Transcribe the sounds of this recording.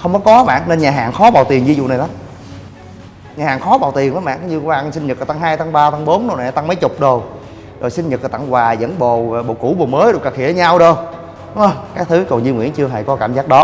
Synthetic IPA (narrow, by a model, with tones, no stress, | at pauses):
xə˧wŋ͡mkɔ˨˦kɔ˨˦ɓa̰ː˧˨nne˧nɲaː˨˩ɦa̰ː˨˩ŋxɔ˨˦ɓaː˨˩wt̪i˨˩ənvi˧zʊ̰˧˨na˨˩jla˨˦m | ɲaː˨˩haː˨˩ŋxɔ˨˦ɓaː˨˩wt̪i˨˩ənʔaː˨˦ɓa̰ː˧˨nkɲɨ˧waː˧˩˨sï˧ŋ̟ɲə˨˩t̚a˨˩t̪a˧ŋɦaː˧jt̪ʰa˨˦ŋɓaː˧t̪ʰa˧ŋɓo˨˦nɗna˨˩˨a˨˩t̪a˧ŋmə˨˦jt͡ɕʊ˨˩k͡p̚ɗo˨˩w | zo˨˩jsï˧ŋ̟ɲə˨˩t̚əː˨˩t̪a̰˧˨ŋkwaː˨˩zə̰˧˥nɓo˨˩˨ɓo̰˧˨˩ku˧˩ɓo˨˩məː˨˦jɗo˨˩kaː˨˩kʰi˧˩˨ʔə˧ɲa˧wɗo˧˩j | kaː˦˥k̚t̪ʰɨ˨˦kɔ˨˩nzi˧ŋwḭ˧˥ənt͡ɕɨ˧əɦa̰˧˩jkɔ˨˦kaː˧˩˨mzaː˦˥k̚ɗɔ˨˦